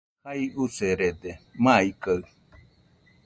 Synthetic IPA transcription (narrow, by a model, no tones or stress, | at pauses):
haiuseɾed̪emaikaɯ